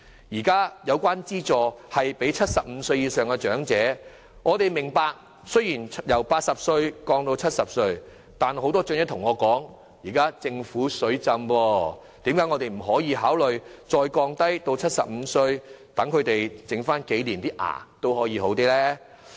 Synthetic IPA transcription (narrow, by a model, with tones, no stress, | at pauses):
jiː˨˩kaː˥jɐ˨˧wkʷwaː˥nt͡siː˥t͡sɔː˨˧hɐ˨jpe˨˥jt͡sʰɐ˥t̚sɐ˨p̚m̩˨˧sɵ˧ɥjiː˨˧sœː˨ŋkɛ˧t͡ʃœː˨˥ŋt͡sɛː˨˥ | ŋɔː˨˧t̪e˨jmɪ˨˩ŋpaː˧k̚ | sɵ˥ɥjiː˨˩njɐ˨˩wpaː˧t̚sɐ˨p̚sɵ˧ɥkɔː˧ŋt̪o˧wt͡sʰɐ˥t̚sɐ˨p̚sɵ˧ɥ | t̪aː˨nho˨˧˥wt̪ɔː˥t͡ʃnjɐ˥t̪ʰʊ˨˩ŋɔː˨˧kɔː˨˥ŋ | jiː˨˩kaː˥t͡sɪ˧ŋfuː˨˥sɵ˨˥ɥt͡sɐ˧mwɔː˧ | t̪iː˨˥mkaː˨˥jŋɔ˨˧t̪e˨jm̩˨˩ɦɔː˨˥jiː˨˧ɦaː˨˥wlɵ˨ɥt͡sɔː˧jkɔː˧ŋt̪ɐ˥jt̪o˧wt͡sʰɐ˥t̚sɐ˨p̚m̩˨˧sɵ˧ɥt̪ɐ˨˥ŋkʰɵ˨˧ɥt̪e˨jt͡sɪ˨˧˥ŋfaː˥nke˨˥jliː˨˩nt̪iː˥ʔa̰ː˨˩t̪o˥whɔː˨˥jiː˨˧ho˨˥wt̪iː˥lɛː˥